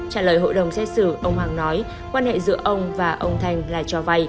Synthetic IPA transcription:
t͡ɕaː˧˩ləː˨˩jɦo̰˧˨jɗə˨˩wŋ͡msɛ˧˥sɨ˧˩ʔə˧wŋ͡mhaː˧˩ŋnɔ˨˦j | kwaː˧nhḛ˧˨zɨ̰˧˥əʔə˧wŋ͡mvaː˨˩ʔə˧wŋ͡mt̪ʰa˧jŋ̟laː˨˩t͡ɕɔ˧va˧j

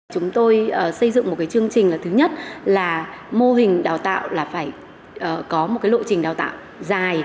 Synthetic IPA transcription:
t͡ɕʊ˨˦ŋ͡mt̪o˧jəː˨˩sə˧jzɨ̰˧˨ŋŋ͡mm˨˩t̚kaː˨˦jt͡ɕɨ˧əŋt͡ɕï˨˩ŋ̟laː˨˩t̪ʰɨ˨˦ɲə˦˥t̚laː˨˩mo˧ɦï˨˩ŋ̟ɗaː˨˩wt̪a̰ː˧˨wlaː˨˩faː˧˩j | ʔəː˨˩kɔ˨˦mo˨˩t̚kaː˨˦jɗo̰˧˨t͡ɕï˨˩ŋ̟ɗaː˨˩wt̪a̰ː˧˨w | zaː˨˩j

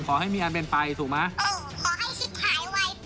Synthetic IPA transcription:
kʰɔː˩˦ɦa˥˩jmiː˧ʔa˧np̬e˧npa˧jt̪ʰuː˨˩k̚ma˦˥ʔʔɤː˧˩ | kʰɔː˨˩˦ɦa˥˩jsu˨˩aː˦˥jwa˦˥j

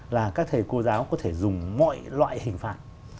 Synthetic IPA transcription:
laː˨˩kaː˦˥k̚t̪ʰə˨˩jko˧zaː˨˦wkɔ˨˦t̪ʰe˧˩zʊ˨˩ŋ͡mmɔ̰˧˨jlwa̰ː˧˨jhï˨˩ŋ̟faː˨˩t̚

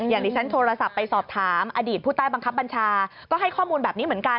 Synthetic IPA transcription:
jaː˨˩ŋdiː˧˩t͡ɕʰa˦˥nt̪ʰoː˧ɾa˧sa˨˩pːa˧jsɔː˨˩p̚t̪ʰaː˩˦mʔa˧diː˨˩t̪̚pʰuː˥˩t̪aː˥˩ba˧ŋkʰa˦˥p̚ba˧nt͡ɕʰaː˧kɔː˥˩ɦa˥˩jkʰɔː˥˩muː˧nbɛː˨˩ni˦m˩˦nka˧

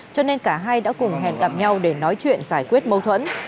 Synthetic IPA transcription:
t͡ɕɔ˧ne˧nkaː˧˩ɦaː˧jɗa̰ː˧˥kʊ˨˩ŋ͡mɦɛ̰˧˨nɣa˨˩p̚ɲa˧wɗe˧˩nɔ˨˦jt͡ɕwḭ˧˨ənzaː˧˩jkwi˦˥ət̚mə˧wt̪ʰwə̰˧˥n

